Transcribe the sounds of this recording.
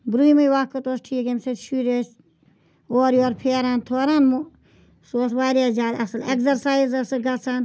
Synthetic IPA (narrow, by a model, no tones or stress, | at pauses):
bɾuimɐjʋaːkːɐt̪oːsʈʰiːkemseʃuːɾes | oːɾjoːɾpʰeːɾaːnt̪ʰoːɾaːnm | soːsʋaːɾjaːd͡ʒʲaːd̪ɐsɨlekzɐɾsaːizɐsɨɡɐt͡sʰaːn